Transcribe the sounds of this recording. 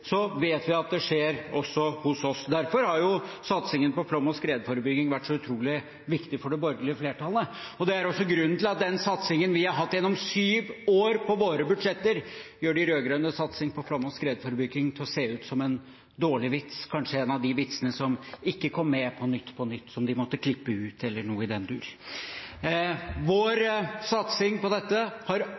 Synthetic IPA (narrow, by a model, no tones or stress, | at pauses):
sɔʋeːt̪ʋɪɑt̪̚d̪ɛʂeːɾɔsːɔhʊsɔsd̪æɾfɔɾhɑɾjʊsɑt̪sɪŋənpɔflɔmɔskɾeːd̪fɔɾəbʏɡɪŋʋæʈːsɔʉt̪ʰɾuːlɪ | ʋɪkt̪ɪfɔɖɛbɔɾɡəlɪfleːʈʰɑlːə | ɔd̪ɛæɾɔsːɔɡɾʉnːnɪlɑt̪̚d̪ɛnsɑt̪sɪŋənʋɪhɑɾɦɑt̪ːɛnːɔmsyːʋoːɾpʰɔʋoːɾəbʉd̪ʂɛt̪ːəɾjøːɖɪɾøːɡɾœnəsɑt̪sɪŋpʰɔfɾɑmɔskɾeːd̪fɔɾbʏɡɪŋt̪ʰɪlɔseːʉːt̪sɔmɛn | d̪oːɭɪʋɪt̪skʰɑnʂəɛnɑʋd̪ɪʋɪt̪sənəsɔmɪkːəkʰɔmːɛpʰɔnʏt̪ːpʰɔnʏt̪ːsɔmd̪ɪmɔt̪ːəkʰlɪpːəʉːt̪ʰɛlːəɳuːəɪd̪ɛnd̪ʉ̰ːɾ | ʋoːɾsɑt̪sɪŋpɔd̪ɛt̪ːəhɑɾ